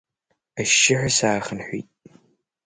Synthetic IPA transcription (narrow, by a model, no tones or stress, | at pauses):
ɐʃɪħɐsaːχənħʷiːtʼ